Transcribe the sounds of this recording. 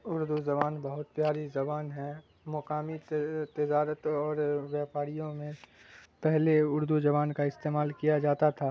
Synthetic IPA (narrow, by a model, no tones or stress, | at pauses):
ʊɾd̪uzɐbaːnbɐɦʊt̪̚pjaːɾizɐbaːnɦɛ | mɔkaːmit̪ɪd͡ʒaːɾət̪ɔːɾʋjaːpaːɾijõmẽ | pɛɦleʊɾd̪ud͡ʒɐβaːnkaɪst̪eːmaːlkijad͡ʒaːt̪at̪ʰaː